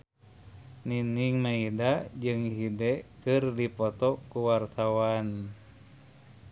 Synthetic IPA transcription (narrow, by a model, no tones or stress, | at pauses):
niniŋmaidad͡ʒɨŋɦidɛkɨrdipɔt̪ɔkuwart̪awan